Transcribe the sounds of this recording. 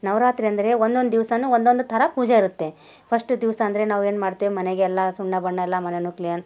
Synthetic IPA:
nɐʋɾaːt̪ɾiɐnd̪ɐɾe̞ond̪o̞nd̪d̪iʋsɐnuond̪o̞nd̪ut̪ʰɐɾɐpuːd͡ʒeiɾut̪ːe̞ | pʰɐsʈud̪iʋsɐːnd̪ɐɾe̞naːʋe̞ːnmaːɽt̪iʋimɐneɡeɛlːɐsuɳːɐbɐɳːɐɛlːɐmɐnenuklijɐn

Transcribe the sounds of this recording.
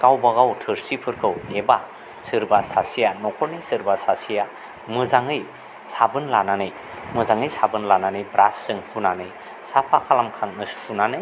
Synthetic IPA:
kawbaɡawtʰɯɾsipʰɯɾkʰɯweba | sɯɾbasasijanɔkʰɔɾnisɯɾbasasija | mɯzaŋɯj | sabɯnlananɯj | mɯzaŋɯjsabɯnlananɯjbɾasːɯŋhunanɯj | sapʰakʰalamkʰaŋnɯshunanɯj

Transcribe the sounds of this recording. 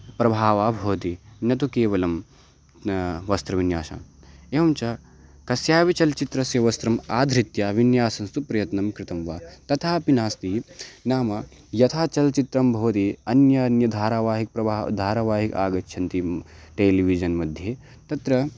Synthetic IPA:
pɾɐbʱaːʋaːbʱoːt̪inɐt̪̬ukeːʋɐlɐm | ʋɐst̪ɾɐʋinjaːʃa̰ːn | eːʋɐmt͡ʃɐ | kɐsjaːʋit͡ʃɐlt͡ʃit̪ɾɐsjɐʋɐst̪ɾɐmaːd̪ʱɾit̪jaːʋinjaːsɐnst̪upɾɐjɐt̪nɐmkɾɪt̪ɐmʋaːt̪ɐt̪ʰaːpinaːst̪inaːmɐ | jɐt̪ʰaːt͡ʃɐlt͡ʃit̪ɾɐmbʱoːt̪iɐnjɐnjɐd̪ʱaːɾaʋaːɦik̚pɾɐbʱaːd̪ʱaːɾaːʋaːɦika̰ːɡɐt͡ʃːʃʰɐnt̪iʈeːliʋid͡ʒɐnmɐd̪ʱjeː | t̪ɐt̪ɾɐ

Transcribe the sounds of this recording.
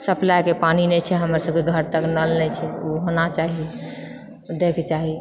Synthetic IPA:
səplajkepaninɛt͡ʃʰɛɦəmɾasəb̚keɡʱəɾt̪əknəlnɛt͡ʃʰɛuɦonat͡ʃaɦi | d̪ekʰt͡ʃaɦi

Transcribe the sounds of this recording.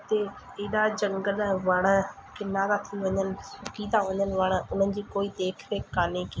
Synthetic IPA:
t̪e | eːɗad͡ʑɐ̃ŋɡəlʋɐɽ̃əkɪnad̪at̪ʰiʋɐɲənɪ̆sʊkiːd̪ãʋɐɲənɪ̆ʋɐɽ̃ʊn̤ənɪ̆d͡ʑiːkoːid̪eːkʰɾeːaːneki

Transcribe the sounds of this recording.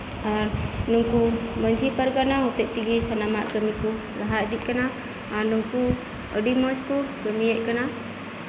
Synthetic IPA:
aɾnuŋkuməɲd͡ʒʱipaɾɡanaɦɔt̪ɛʔ̚ʈiɡisanamaʔkəmiku | ɡaɦaʔ̚d̪iʔ̚kanaː | ɾnuŋku | əɖiməd͡ʒkukəmijəʔ̚kana

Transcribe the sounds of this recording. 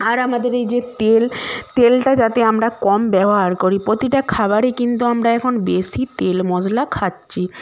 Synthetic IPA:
aɾamad̪eɾejd͡ʑet̪elt̪elʈad͡ʑat̪eamɾakɔmbɛboɦaɾkoɾipɾot̪iʈakʰaβaɾekint̪uamɾaɛkʰonbesit̪elmɔd͡ʑlakʰatɕʰi

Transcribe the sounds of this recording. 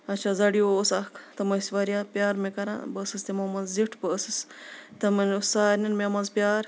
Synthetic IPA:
ɐt͡ʃʰazɐɽioːsakʰt̪ɐmɐsʋaɾjapʲjaːɾmekɐɾã̰bəsɨst̪emamɐzziʈʰbəsɨst̪ɐmɐnusaːɾnɐnmemazpʲjaːɾ

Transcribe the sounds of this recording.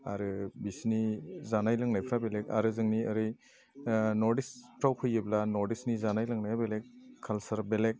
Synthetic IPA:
a̰ɾɯbisnizanajlɯŋnajpʰɾabeleka̰ɾɯzɯŋniaɾɯ | nɔɾdispʰɾawpʰɯjɯblanɔɾdisnizanajlɯŋnajabelekʰːalsaɾbelek̚

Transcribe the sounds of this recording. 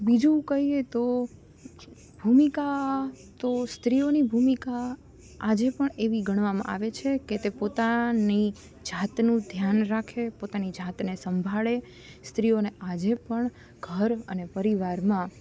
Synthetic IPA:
bid͡ʒũkəɦiet̪o | bʱumikat̪ost̪ɾionibʱumika | ad͡ʒepəɳeʋiɡəɳ̃ʋamã̰ʔa̰ʋet͡ʃʰeket̪epot̪ani | d͡ʒat̪nũd̪ʱjanɾakʰepot̪anid͡ʒʱat̪nesəmbʱaɭe | st̪ɾionead͡ʒepəɳ | ɡʱəɾənepəɾiʋaɾmã

